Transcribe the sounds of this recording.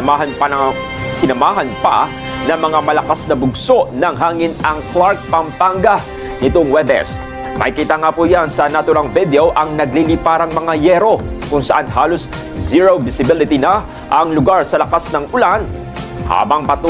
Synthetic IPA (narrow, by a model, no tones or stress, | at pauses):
aɦɐnpɐɐ | sɪnɐmaːɦɐnpɐ̰ | nɐŋmɐŋamɐlɐkasnɐbʊɡso̞ʔnɐŋɦaːŋɪnɐŋklaɾk̚pɐmpaŋɡɐ | nɪt̪oŋwɛbɛ̰s | mɐ̰jkiːt̪aŋapujansɐnɐt̪ʊɾaŋvɪd̪ɛoʔɐŋnɐɡ̚lilɪpaːɾɐŋmɐŋajɛɾo̞kʊŋsɐʔanɦaːlos | ziɹowbɪsɪbɪlɪt̪inɐ | ʔɐŋlʊɡaɹsɐlɐkasnɐŋʊlan | ha̰ːbɐŋpɐt̪u